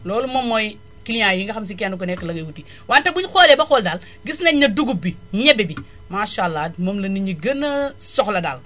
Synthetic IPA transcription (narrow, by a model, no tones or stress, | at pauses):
loːlumɐmːoj | kilɲajiŋɡɐxams̬ikianuk̬onekːɐlɐɡɐwuti | wantɐbuɲxolebɐxoldal | ɡisnɐɲɐduɡubiɲebibi | maʃalːadmɐmlɐniɲiɡɐnɐsoxlɐda̰l